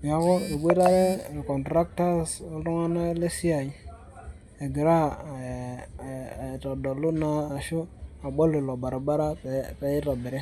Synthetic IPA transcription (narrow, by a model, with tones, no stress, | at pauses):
m˨a˨ko˦e˨bʷe˦ɾa˦ɾe˦˨lko˨ntɾa˦k̚ta˦so˦lo˦ŋa˦na˦le˦si˦a˨i˨ | e˨ɡi˨ɾa˦˨ | to˨do˨lu˦naː˨ʃu˦a˨ɓo˦le˨lo˨ba˨ɾba˦ɾa˦˨pe˨˦i˦ɾa˨be˨ɾe˦